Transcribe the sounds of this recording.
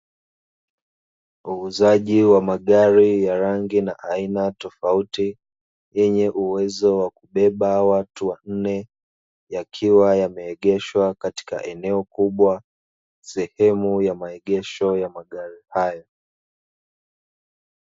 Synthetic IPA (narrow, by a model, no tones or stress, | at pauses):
uːzaʄiwamaɠaɾijaɾaŋɡinaʔainatɔfauti | jɛɲɛʔuwɛzɔwakuɓɛɓawatuwan̩nɛ | jakʰiwajamɛːɠɛʃwakati̥ka̰ʔɛnɛɔkuɓwa | sɛhɛmujamaɛɠɛʃɔjamaɠaɾihajɔ